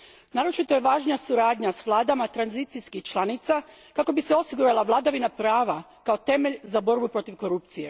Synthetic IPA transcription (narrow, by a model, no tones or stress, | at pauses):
naːɾot͡ʃit̪o̞jeʋaːʒnijasuɾaːd̪ɲasʋlˠaːd̪amat̪ɾanzit̪siskixt͡ʃlˠanit̪sa | kako̞biseo̞siɡuɾalˠaʋlˠad̪aʋinapɾaːʋa | kao̞t̪e̞meʎzabo̞ɾbupɾo̞t̪iʋko̞ɾupt̪sije̞̰